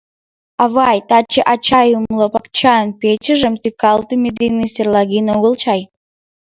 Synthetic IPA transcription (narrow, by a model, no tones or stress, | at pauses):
ɑβɑjt̪ɑt͡ɕəʔat͡ɕɑjumlˠopɑk̚t͡ɕɑənpet͡ɕəʒəmt̪ykɑlˠt̪umʲed̪inːɨsʲerlˠɑɣʲinoɣəlˠt͡ɕɑj